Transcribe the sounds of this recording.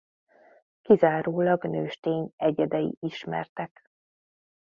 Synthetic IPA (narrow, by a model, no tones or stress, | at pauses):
kizaːɾoːlɒɡnøːʃt̪eːɲɛɟɛd̪ɛjḭʔiʃmɛ̰rt̪ɛk